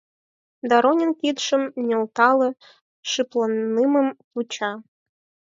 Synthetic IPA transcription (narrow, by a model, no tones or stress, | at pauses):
d̪ɑɾonʲenkid̪ʂə̆mnʲĕlt̪ɑlˠɤ̆ | ʂɨplˠɤnːɨmə̆mput͡ɕɑ